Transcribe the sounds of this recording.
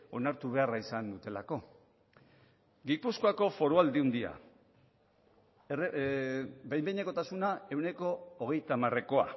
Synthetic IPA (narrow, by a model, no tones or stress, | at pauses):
o̞naɾt̪uβ̞e̞araisand̪ut̪e̞lako̞ | ɡipuskoako̞fo̞ɾuald̪iund̪ia̰ | r | bejmbejɲeko̞t̪asunae̞wne̞ko̞ːɣ̞e̞jt̪amare̞ko̞a̰